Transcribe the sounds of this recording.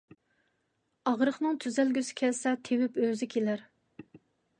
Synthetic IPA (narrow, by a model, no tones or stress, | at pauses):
ɑʁɾəχnɨŋt̪ʰyzælɡʲysɪ̥kʲʰɛlsɛt̪ʰewypøzɪkʲʰelæɾ